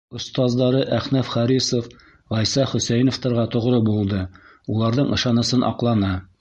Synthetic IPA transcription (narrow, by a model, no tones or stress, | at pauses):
ŏst̪ɑzd̪ɑɾɤʔæχnæfχɑɾisof | ʁɒjsɑχɵ̆sæjnŏft̪ɤ̆ɾʁɑt̪ŏʁɾɤbulˠd̪ɤ | ulˠɑɾðɤɴɤ̆ʃɑnɤ̆sɤnʔɒ̰qlˠɑnɑ